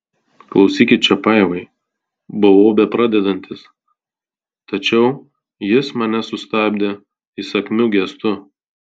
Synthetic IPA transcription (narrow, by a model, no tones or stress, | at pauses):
klˠɒʊsʲiːkʲɪt͡ʃʲɛpɐɪʋɐɪ | bʊʋoːbʲɛpɾɑːd̪ʲɛd̪ɐnʲt̪ʲɪs | t̪ɐt͡ʃʲɛʊ | jɪsmɐnʲɛsʊst̪ɑːbʲd̪ʲe | ɪsɐkʲmʲʊɡʲɛst̪ʊ